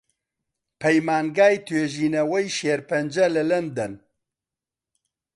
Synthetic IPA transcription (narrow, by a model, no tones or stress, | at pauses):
pʰɛjmaːnɡaːjt̪ʰeːʒiːnɐwɛjʃeːɾpɐnd͡ʒɐlɨlɨnd̪ɐn